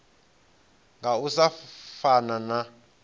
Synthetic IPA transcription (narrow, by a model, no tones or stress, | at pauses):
ŋɡausafanana